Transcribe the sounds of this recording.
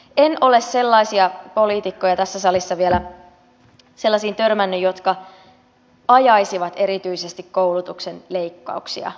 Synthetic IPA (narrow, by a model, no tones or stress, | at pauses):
e̞nʔo̞le̞sse̞lːɑisiɑpo̞liːt̪ikːo̞jɑt̪æsːæsɑlisːɑʋielæ | se̞lːɑsiːnt̪ø̞rmænːyjo̞t̪kɑ | ɑjɑjsiʋɑt̪e̞ɾit̪yise̞st̪ikko̞wlut̪uksenle̞jkːɑ̰uksiɑ̰